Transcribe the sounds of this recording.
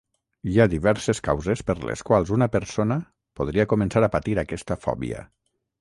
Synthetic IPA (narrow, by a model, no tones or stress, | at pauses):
iad̪iβɛɾseskawzespəɾlḛskwalˠzunəpəɾsonə | poð̞ɾiakumənsaɾapat̪iɾakɛst̪əfɔ̰βḭə̰